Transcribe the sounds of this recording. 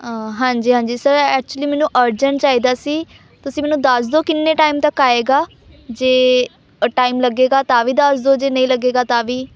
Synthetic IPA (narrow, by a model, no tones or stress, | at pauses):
ɦãːɲd͡ʒiːɦãːɲd͡ʒiːsəɾɛːk̚t͡ʃuəliːmɛːnũːʔəɾd͡ʒəɳʈt͡ʃaːiːd̪aːsiː | t̪ʊsĩːmɛːnũːd̪əs̬d̪oːkɪnːẽːʈaːimt̪əkːaːeːɡaː | d͡ʒeː | ʈaːimləɡeːɡaːt̪ãːʋiːd̪əsd̪oːd͡ʒeːnəĩːləɡeːɡaːt̪ãːʋiː